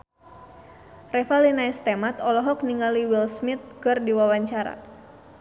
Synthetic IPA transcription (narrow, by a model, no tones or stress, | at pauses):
rɛfalinaist̪emat̪ɔlɔɦɔk̚niŋaliwilsmit̪̚kɨrdiwawaɲt͡ʃaɾa̰